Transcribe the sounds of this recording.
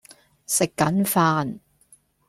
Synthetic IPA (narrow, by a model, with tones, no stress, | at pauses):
sɪ˨kːɐ˨˥nfaː˧n